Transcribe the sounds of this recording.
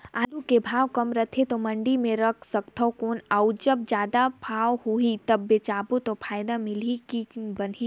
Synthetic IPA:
aːd̪ukebʱaːwkəmɾət̪ʰet̪omə̃ɳɖimẽɾəkʰsək̚t̪ʰəkoːnəud͡ʒəb̚d͡ʒjaːd̪apʰaːwhoit̪ɐbːet͡ʃaːbot̪opʰaːjd̪amɪlikibəni

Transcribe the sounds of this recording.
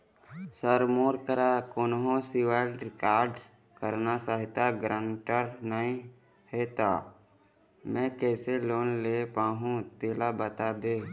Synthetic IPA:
səɾmoːɾkəɾakoːnɦõsɪʋaɪlɾɪkaːɾɖs | kəɾnasaːɦɪt̪aɡɾãːɳʈəɾnəɦĩ | heːt̪aː | mɛ̃ːkɛːseloːnlepaːɦũt̪eːlabət̪ad̪eː

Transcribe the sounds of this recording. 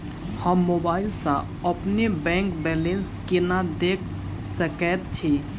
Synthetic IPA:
həmːobaːɪlsã̰ | əpnebɛ̃ŋkbɛlenskenad̪ekʰ | səkɛt̪̚t͡ʃʰi

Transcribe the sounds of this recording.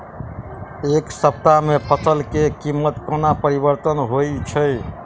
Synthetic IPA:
eksəp̚t̪amepətəlkekimːət̪konapəɾibəɾt̪ənɦojt͡ʃʰəj

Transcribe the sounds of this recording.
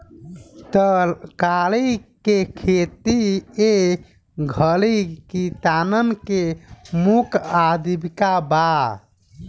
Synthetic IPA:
t̪əɾkalikekʰet̪ie | ɡʱəlikit̪anənkemukad̪ibikaba

